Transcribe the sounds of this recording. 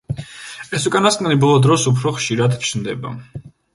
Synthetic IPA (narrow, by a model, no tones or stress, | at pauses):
ɛsukʼanaskʼnibɔlˠɔd̪ɾɔsupʰɾɔχʃiɾad̪t͡ʃʰnd̪ɛba̰